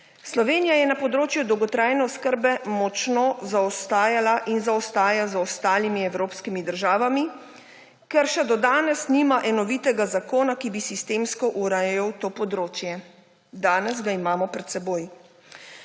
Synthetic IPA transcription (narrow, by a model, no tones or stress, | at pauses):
slɔʋeːnijajɛnapɔd̪ɾoːt͡ʃjud̪ɔwɡɔt̪ɾaːjnɛɔskəɾbɛmɔt͡ʃnozaɔst̪aːjalaʔinzaɔst̪aːjazɔst̪aːlimiɛwɾoːpskimid̪əɾʒaːʋami | kɛɾʃɛd̪ɔd̪aːnɛsniːmaʔɛnɔʋiːt̪ɛɡazakoːnakibisist̪eːmskɔʔuɾajɔwt̪oːpɔd̪ɾoːt͡ʃjɛ | d̪aːnɛzɡaimaːmɔpɾɛt̪sɛboːj